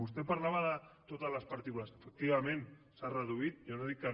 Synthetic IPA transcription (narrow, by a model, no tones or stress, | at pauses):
ust̪epaɾlaβaðət̪ot̪azlaspaɾt̪ikulasəfək̚t̪iβamẽnsarəðuit̪̚ʝonoðikːa